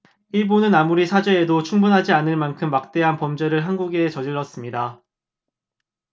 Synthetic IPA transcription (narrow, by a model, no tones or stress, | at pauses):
iɭbunɯnamuɾisʰad͡ʑwe̞ːdot͡ɕʰuŋbunɦad͡ʑianɯɭmankʰɯmːak̚t͈e̞ɦanpʌmd͡ʑe̞ɾɯɭɦanɡuɡe̞t͡ɕʌd͡ʑiɭːʌs͈ɯmɲida